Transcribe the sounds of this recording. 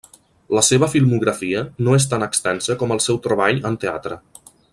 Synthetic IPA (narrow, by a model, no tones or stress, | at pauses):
ləseβ̞əfilˠmuɣɾəfiənoes̬t̪anəkst̪ɛnsəkɔməlˠsɛwt̪ɾəβ̞aʎənt̪ea̰t̪ɾə